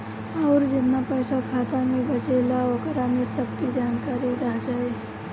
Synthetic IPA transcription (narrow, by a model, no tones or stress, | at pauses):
ɔːɾd͡ʒɪt̪napəɦsʰakʰaːt̪amẽbət͡ʃelaʋəkɾamẽsəb̚kid͡ʒaːnkaːɾiɾəɦd͡ʒaːe